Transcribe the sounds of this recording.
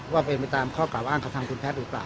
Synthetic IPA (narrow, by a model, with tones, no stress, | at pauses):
waː˥˩pe˧npa˧jt̪aː˧mkʰɔː˥˩klaː˨˩wʔaː˥˩ŋkʰa˧˩t̪ʰa˧kʰu˧npʰɛː˦˥t̪̚ɾɯː˩˦˥plaː˨˩w